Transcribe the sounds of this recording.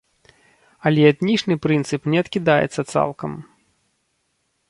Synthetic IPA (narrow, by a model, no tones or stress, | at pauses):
ɐlʲɛɛt̪nʲit͡ʂnɨpɾɨnt̪sɨpnʲɛɐt̪kʲid̪ajɛ̰t̪sːɐt̪sa̰lˠkɐm